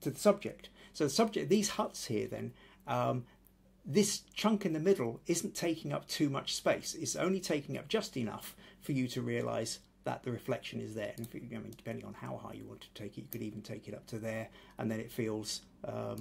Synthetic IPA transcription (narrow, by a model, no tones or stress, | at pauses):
tʰɨðəsʌb̚d͡ʒɪ̰k̚tsoʊðəsʌb̚d͡ʒɪk̚ðiz̥hʌtshiɹðɨ̰̃n | ʌ̃m | ðɪst͡ʃʰʌ̃ŋkɨ̃nðɨmɪɾl̩ˠɪzn̩tʰeɪkɪ̃ŋʌ̰p̚tʰʉmʌ̰t͡ʃspeɪsɪtsõ̰ʊ̃nlitʰeɪkɪ̃ŋʌ̰p̚d̥ʒ̥ʌstɨnʌ̰fə˞jɨɾɨɹiɨlʔa̰ɪz | ðə̰t̪̚ðɨɹɨflɛkʃɨ̃nɪ̰zðə̰˞ɨ̃nɪfaɪmḭ̃nd̥ɨ̥pʰɛ̃ndɪ̃ŋə̰̃nhaʊhɑ̰ɪjɨ̰wɑ̰̃ntʰtʰeɪkɨtjɨkɨɾivn̩tʰeɪkɨɾʌp̚tʰɨðə˞ʔə̰̃nðɨ̃ñɨtfilˠz̥ | ʔʌ̰